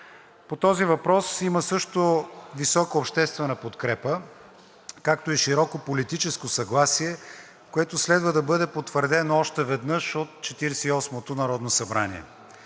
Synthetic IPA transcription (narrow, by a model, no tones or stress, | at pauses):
pot̪ɔzivɐpɾɔsiməsɤʃt̪ovisɔkəopʃt̪ɛst̪vɛnəpot̪kɾɛpə | kak̚t̪oiʃiɾɔkopolit̪it͡ʃɛskosɐɡlˠasiɛ | koɛt̪oslɛd̪vəd̪ɐbɤd̪ɛpot̪vəɾd̪ɛnoɔʃt̪ɛvɛd̪nɤʃot̪̚t͡ʃɛt̪iɾɛsɛiɔsmot̪onɐɾɔd̪nosɐbɾanḭɛ̰